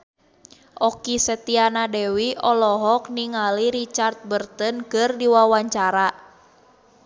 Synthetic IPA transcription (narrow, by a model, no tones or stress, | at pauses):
ʔɔkisɛt̪ianadɛwiɔlɔɦɔk̚niŋaliɾit͡ʃart̪̚bərt̪ənkɨrdiwawaɲt͡ʃaɾa